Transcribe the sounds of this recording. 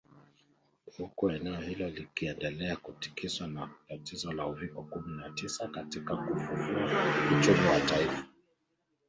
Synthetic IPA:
hukuɛnɛɔhilɔlikiɛndɛlɛakuti̥kiswanatatizɔlauvikɔkuminatisakatikakufuvuaut͡ʃumiwataifa

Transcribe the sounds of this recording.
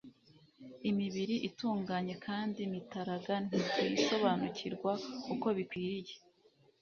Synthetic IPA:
imiβiɾiʔituːŋɡaːɲe̞kʰaːndimitaɾaɡan̥ikojiso̞βanuciɾɡwakuko̞βikwiːɾije̞

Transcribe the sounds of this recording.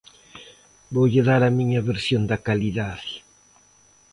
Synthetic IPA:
bowʎeðaɾɐmĩɲɐβeɾsjond̪ɐkaliðaðɪ

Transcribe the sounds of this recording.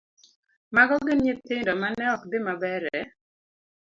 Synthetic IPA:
maɡɔɡɪnɲet̪ɪndɔmanɛɔkdɪmabɛɾɛ

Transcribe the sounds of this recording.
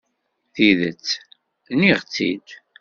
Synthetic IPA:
θiðə̰t͡sː | niʁt͡sːḭd̪

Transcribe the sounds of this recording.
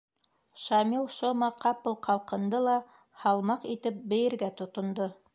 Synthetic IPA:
ʃɑmilˠʃomɑqɑpɤlˠqʰɑlˠqɤ̆nd̪ɤlˠɑ | hɑlˠmɑqit̪ɘp̚bɘ̆jɘ̆ɾɡæt̪ŏt̪ŏnd̪o

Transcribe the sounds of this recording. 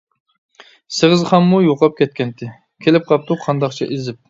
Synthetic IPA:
sɨʁəzχɑmːujoqɑp̚kʲʰɛt̪̚kʲɛnt̪ʰɪ | kʲʰelɪp̚qʰɑp̚t̪ʰuqʰɑnd̪ɑχt͡ʃʰɛ̰ʔezɪp̚

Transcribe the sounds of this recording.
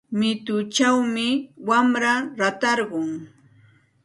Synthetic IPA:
mɪt̪ʊt͡ʃawmɪwamɾaɾat̪ɑɾɢʊŋ

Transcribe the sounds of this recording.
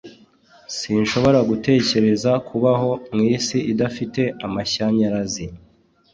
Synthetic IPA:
siːnʃo̞βo̞ɾaɡute̞ːce̞ɾe̞zakʰuβaɦo̞mŋiːsiʔidafite̞amaçaɲaɾazi

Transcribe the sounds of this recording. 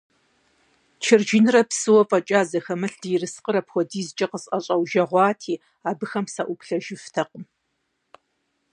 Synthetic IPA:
t͡ʃʰɪrd͡ʒɪnɨrɐpsɨwɔfʼɐt͡ʃʼaːzɐxɐmɨɬd̥ijɪrɨsqəɾɐpxʷɔdiːzɨt͡ʃʼɐqəsʼʔɐɕʼɐwʒɐʁʷɑːtʰiː | aːbɨxɐmsɐʔʷʊpɬɐʒɪftʰɐqəm

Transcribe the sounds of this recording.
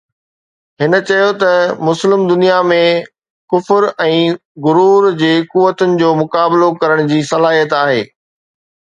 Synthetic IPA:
ɦɪnə̆t͡ɕɐjot̪ɐmʊslɪmd̪ʊnijamẽ | kʊfɾɛ̃ːɣʊɾuːɾd͡ʑeːkuʋːət̪ʊnɪ̆d͡ʑoːmʊkaːblokɐɾəɽ̃d͡ʑiːsɐlaːɦijət̪aːɦeː

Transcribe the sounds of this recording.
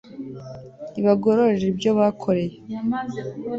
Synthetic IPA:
iβaɡoɾoɾeɾeɾibɟoβakʰoɾe̞je

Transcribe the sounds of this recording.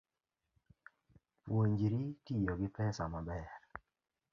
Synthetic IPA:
pwoɲd͡ʒiɾitijoɡɪpɛsamabɛr

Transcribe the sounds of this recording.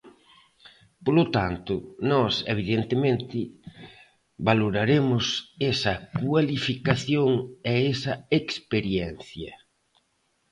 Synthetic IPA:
polot̪ant̪ʊnɔsḛβ̞iðent̪emẽnt̪ɪ | βaloɾaɾemʊsɛsɐkwalifikaθjoŋɛesɐekspeɾjɛnθjɐ

